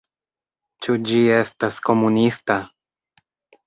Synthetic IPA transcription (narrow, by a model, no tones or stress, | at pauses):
t͡ʃud͡ʒie̞stasko̞munista